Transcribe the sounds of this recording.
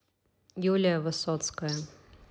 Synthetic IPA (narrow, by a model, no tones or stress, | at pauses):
julʲɪjəvɨsɔt̪skəjə